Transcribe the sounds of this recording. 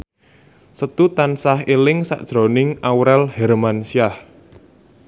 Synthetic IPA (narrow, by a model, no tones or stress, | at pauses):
sət̪ut̪ansahelɪŋsa̰ʔd̥ʒ̥ɾo̤nɪŋawɾɛlhɛɾmansiah